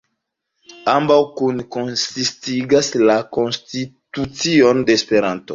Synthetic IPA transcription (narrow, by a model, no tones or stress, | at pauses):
ambawkunko̞nsistiɡaslako̞nstitut͡sionde̞ːspe̞ɾanto